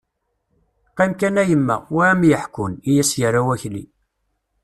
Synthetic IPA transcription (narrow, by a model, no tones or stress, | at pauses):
qːimkænæjəmːæ̰wæmjəħkʊnijæsjəɾːawæçlḭ